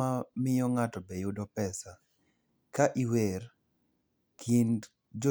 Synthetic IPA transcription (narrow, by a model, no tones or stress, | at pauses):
amɪjɔŋatɔbejʊdɔpɛsa | kaʔiwer | kʰind | d͡ʒɔ